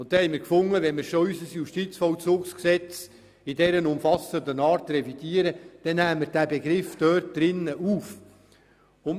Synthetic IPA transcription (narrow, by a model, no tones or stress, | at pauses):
ʊnt̪ːhɛɪmiːɾkfʊŋːəʋɛnmɪɾʃɔysəsjuʃtit͡sfɔlt͡suːksksɛt͡s | ɪdɛɾənʊmfɑsəndənɑːɾtrɛvid̥iːəɾəd̥ɛnːæːmːəɾdæːbeɡɾɪfd̥œːrt̚d̥̪ɾɪnːəʔuːf | ʊn